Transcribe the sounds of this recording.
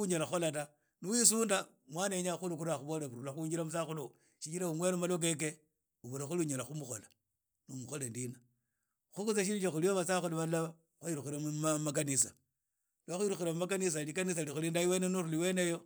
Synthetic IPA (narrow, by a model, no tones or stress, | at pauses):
uɲalaxo̞lata | nuwisuːnda | mwanaɲaxulukuɾaxuβolekuɾulaxuɲd͡ʒilamusaxulu | ʃit͡ʃiɾauŋwenomalok̬ek̬e | uβolexuluɲalaxumuxola | numuxolendina | xukut͡saʃ̬ilit͡ʃoxulioβasaxuloβalaβa | xwaiɾuxiɾamumamakanisa | laxuiɾuxiɾamumakanis̬alikanis̬alixulindaiwenenoɾuliwenejo